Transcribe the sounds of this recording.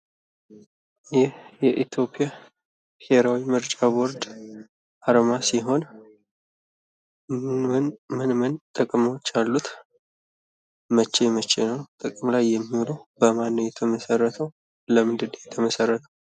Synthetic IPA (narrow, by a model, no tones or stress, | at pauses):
jɪhjɛʔit̪ʰjo̞pʼija | biheɾawimɨɾt͡ʃʼaboɾd̪ | ʔaɾmasiɦo̞n | mɨnɨnmɨnmɨnt̪ʼɨkʼmawot͡ʃːalːut̪ | mət͡ʃːe̞mət͡ʃʰːe̞nəwt̪ʼɨkʼmlajːɛmːioləwbəmanːəjɛt̪ʰəməsərːət̪ʰəw | ləmɨnd̪ɨd̪jɛt̪ʰəməsərːət̪ʰəw